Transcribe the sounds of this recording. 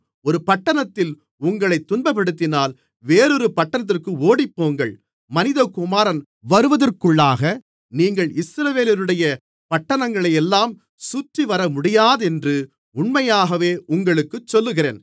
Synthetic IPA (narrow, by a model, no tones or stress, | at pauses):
ɔɾɯpɐʈːɐɳɐt̪ːɪl | ʊŋɡɐɭɐɪt̪ːʊnbɐpːɐɽɯt̪ːɪnaːl | ʋeːɾɔɾɯpɐʈːɐnɐt̪̬ːɪrkɯoːɽɪpːoːŋɡɐɭ | mɐnɪðɐkʊmaːɾɐn | ʋɐɾɯʋɐðɐrkɯɭːaːɣɐ | niːŋɡɐɭɪsɾɐʋeːlɪɾɯɽɐjɐ | pɐʈːɐɳɐŋɡɐɭɐjɛlːaːm | sʊtriʋɐɾɐmʊɽɪjaːðɛndrɯ | ʊɳmɐjaːɣɐʋeːʔʊŋɡɐɭɯkːɯt͡ʃːɔlːɯɣɪɾḛːn